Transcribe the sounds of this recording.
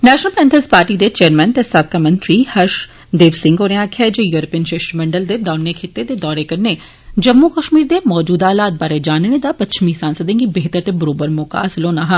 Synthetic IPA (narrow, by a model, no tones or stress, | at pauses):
nɛːʃnəlpɛ̃ːnt̪ʰəzpaːɾʈid̪et͡ʃeːəɾmɛ̃nt̪esɐb̚kamə̃nt̪ɾihɐɾʃ | d̪eːʋsɪ̃ŋɡoːɾẽãːkʰɛd͡ʒejuːɾəpiːənʃeʃɾmɛ̃ɳɖəld̪ed̪aːnːekʰɪt̪ːed̪ed̪ɔːɾekɐɾne | d͡ʒɐmːukəʃmiːɾd̪emɔːd͡ʒuːd̪aːlaːt̪̚baːɾed͡ʒaːnned̪apɐtːʃʰmisaːnsəd̪ẽɡibeɦt̪əɾt̪ebɐɾoːbəɾmʊka̰ːsloːnaːɦãː